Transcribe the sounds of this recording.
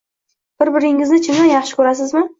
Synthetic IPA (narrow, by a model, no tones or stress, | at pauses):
b̥ɪɾbɪɾɪŋɪznɪt͡ʃʰɪmd̪anjɑχʃɪ̥kʰɵɾas̬ɪzmɪ